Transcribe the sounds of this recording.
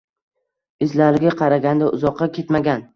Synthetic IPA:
ɪzlaɾɡʲaqʰɑɾaɡʲand̪aʔʊzɒqːɑkʲʰe̞t̪maɡʲan

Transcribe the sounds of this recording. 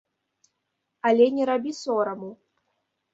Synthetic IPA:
alʲɛnʲɛɾabʲisɔɾɐmu

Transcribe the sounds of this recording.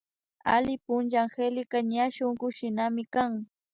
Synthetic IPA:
a̰lɪpʊnʒaŋxelɪkaɲaʃoŋɢʊʃɪnamɪkaŋ

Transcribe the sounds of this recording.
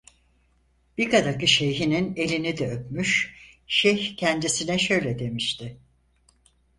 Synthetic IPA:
b̥ikad̪akɯʃe̞jɦinine̞lʲinid̪ɛøpmyʃʃɛçcʰɛnd̪isinɛʃø̞jlʲɛd̪e̞miʃt̪ʰɪ

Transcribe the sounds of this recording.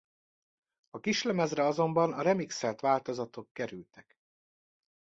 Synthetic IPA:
ɒkiʃlɛmɛzrɛɒzo̞mbɒnɒɾɛmiksɛlt̪ʋaːlt̪o̞zɒt̪o̞kːɛɾylt̪ɛk

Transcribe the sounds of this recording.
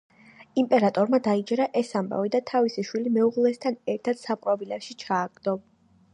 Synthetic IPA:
impʼɛɾat̪ʼɔɾmad̪aid͡ʒɾaʔɛsamba̰vid̪at̪ʰavisiʃwilimɛuʁlˠɛst̪ʰanɛɾt̪ʰad̪̥sapʼwabilɛpʃit͡ʃʰaːɡd̪̥ɔ

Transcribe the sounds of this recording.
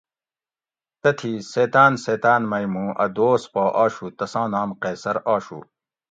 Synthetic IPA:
t̪ɐt̪ʰiseːt̪aːnseːt̪aːnmɐjmũːʔɐ̰d̪oːspaːʔaːɕut̪ɐsãːnaːmqeːsɐɾaːɕṵ

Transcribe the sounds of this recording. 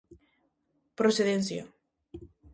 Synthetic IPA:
pɾoseðenθja̰

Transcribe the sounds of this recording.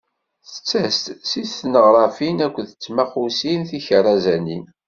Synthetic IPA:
θə̥t͡sːæst̪siθːnəʁɾˤɑfinækʷːəθət͡sːmæχusinθiçərˤːɑzænin

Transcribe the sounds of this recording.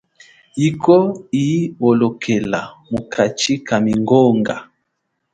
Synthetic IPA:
ikɔiɔlɔkʰɛlamukʰat͡ʃikamiŋɡɔŋɡa

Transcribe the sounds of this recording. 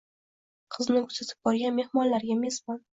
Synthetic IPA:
qʰɨznɪkʰʊz̥at̪ʰɪ̥p̚bɒɾɡʲanme̞hmɒnlaɾɡʲamezbɒn

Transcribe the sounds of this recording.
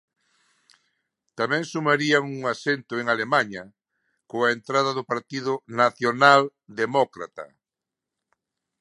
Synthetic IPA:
t̪amɛ̃ŋsumaɾiaŋuŋasent̪ʊeŋalemaɲɐ | koaent̪ɾaðɐðʊpaɾt̪iðʊnaθjonald̪emɔkɾa̰t̪ɐ̰

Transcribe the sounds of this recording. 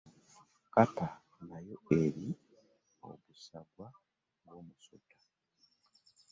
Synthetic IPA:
kata | najo̞e̞ɾi | o̰βusaɡwa | ɡwo̞ːmusotḁ

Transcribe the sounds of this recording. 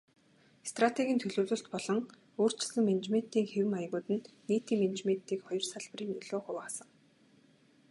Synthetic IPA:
st̪rat̪ʰeɣʲiːnt̪ʰɵɮɵːɮɵ̆ɬt̪pɔɮɞ̆ŋ | oːr̥t͡ɕɪ̆sə̆ŋment͡ɕmen̥t̪iːŋxewɘ̆maj̆ɣʊːt̪ɘ̆nniːt̪iːŋmen̆t͡ɕment̪iːkχɔjɞ̆rsaɮp̆riːŋnɵɮoːχʊwaːsə̆ŋ

